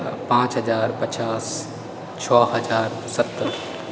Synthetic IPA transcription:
pãːt͡ʃɦəd͡ʒaːɾpət͡ʃaːs | t͡ʃʰɔːɦəd͡ʒaːɾ | sət̪ːəɾ

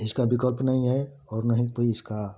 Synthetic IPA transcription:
ɪskabɪkəlpnɐɦĩɦɛ | ɔːɾnɐɦĩkoiɪska

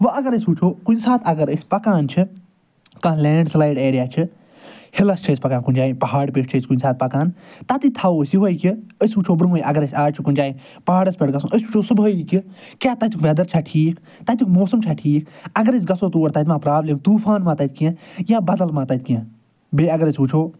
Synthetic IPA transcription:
ʋɐɐɡɐɾəsʲuːt͡ʃʰoːkunsaːt̪ʰɐɡɐɾəsʲpɐkaːnt͡ʃʰɨ | kãːlẽːɳɖslaːjɖeːɾijaːt͡ʃʰɨ | hɪlɐst͡ʃʰɐsʲpɐkaːnkunʲd͡ʒaːĩːpɐɦaːɽpeːʈt͡ʃʰɐsʲkunsaːt̪̚pɐkaːnt̪at̪it̪ʰɐoːsiɦoːikʲiəsʲut͡ʃʰoːbɾũiʔɐɡɐɾɐsʲaːɾt͡ʃʰikʊnʲd͡ʒaːĩː | paaːɽɐsʲpʲeʈɡɐsṵ̃ːʔəsʲut͡ʃʰoːsɨbəiki | kʲjaːt̪ɐt̪ikʋed̪ɐɾt͡ʃʰaʈʰiːk | t̪ɐt̪ʰʲukmoːsəmt͡ʃʰaːʈʰiːkɐɡɐɾəsʲɡɐsoːt̪oːɾt̪ɐt̪̬mãːpɾaːbleːmt̪uːfaːnmãːt̪ɐt̪̚ʰʲkijãːjãːbɐd̪ɐlmãːt̪ɐt̪̚ʰʲkijãː | beːɐɡɐɾəsʲut͡ʃʰoː

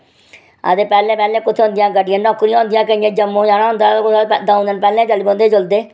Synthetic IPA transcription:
ə̰d̪eːpɛːlẽːpɛːlẽːkʊt̪ʰeːɦʊ̃nd̪ijãːɡəɖɪjãːnɔːkɾĩãːɦʊ̃nd̪ɪjãːkəĩjẽːd͡ʒəmːõːd͡ʒaːnaːɦʊ̃nd̪aːkʊd̪aːɦʊ̃nd̪ənpɛːlẽːd͡ʒəlbõːnd̪eːd͡ʒʊld̪eː

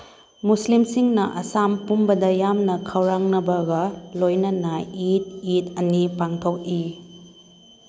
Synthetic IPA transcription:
muslimsiŋnɐʔɐsampumbɐdɐjamnɐkʰɐwɾaŋnɐbɐɡɐlojnɐnait̚it̚ɐnipaŋtʰok̚i

